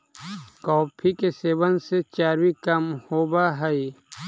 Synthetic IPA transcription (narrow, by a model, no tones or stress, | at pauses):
kɔːpʰikeseːʋənset͡ʃaːɾwikɐmhoːbaɦəi